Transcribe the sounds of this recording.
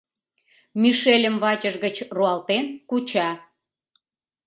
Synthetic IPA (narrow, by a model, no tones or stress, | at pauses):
miʃelʲəmβɑt͡ɕəʒɣət͡ɕruɑlt̪enkut͡ɕɑ